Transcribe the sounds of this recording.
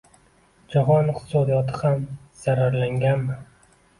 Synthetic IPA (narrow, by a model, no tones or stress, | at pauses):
d͡ʒaɦɒnɪqt̪ʰɪ̥sɒd̪ijɒt̪ʰɪhamz̥aɾaɾlaŋɡʲanmɪ